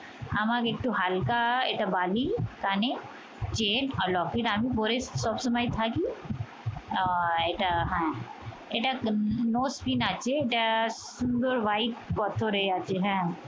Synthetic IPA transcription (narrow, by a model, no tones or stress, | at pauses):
amakek̚ʈuɦalkaeʈabaːlikaːne | t͡ʃeːnɔlɔːkiʈaːmipoːɾessɔbsɐmaːit̪ʰaki | eʈaɦɛ̃ | eʈanoːspinaːt͡ʃeeʈasund̪əɾʋaiʈ̚pɔt̪ʰoɾeat͡ʃeɦɛ̃